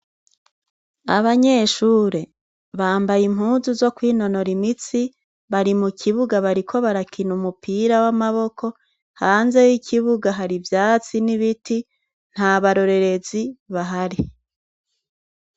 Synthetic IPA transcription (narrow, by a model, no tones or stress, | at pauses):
a̰βaɲe̞ʃuːɾe̞ | βaːmbajimɦuːzuzo̞kwiːno̞no̞ɾimit͡si | βaɾimukʰiβuɡaβaɾikʰo̞βaɾakʰinumupiɾawamaβo̞kʰo̞ | haːnze̞jikʰiβuɡaɦaɾivjaːt͡siniβiti | n̥haβaɾo̞ɾe̞ɾe̞ziβaɦaɾi